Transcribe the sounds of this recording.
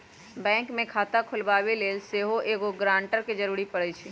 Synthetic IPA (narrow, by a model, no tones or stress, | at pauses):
bɛ̃ːŋkmẽkʰaːt̪akʰʊlʋaːʋeleːlseːɦoʔeːɡoɡɾãːɳʈəɾked͡ʒəɾuːɾipəɽət͡ʃʰi